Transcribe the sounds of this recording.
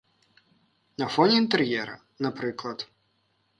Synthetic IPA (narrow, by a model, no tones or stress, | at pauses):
nɐfɔnʲiint̪ɛɾjɛɾɐ̰ | nɐpɾɪklˠɐt̪